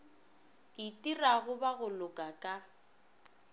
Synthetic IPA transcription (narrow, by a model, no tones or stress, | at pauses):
itʼiraɣʊbaɣʊlʊkʼakʼa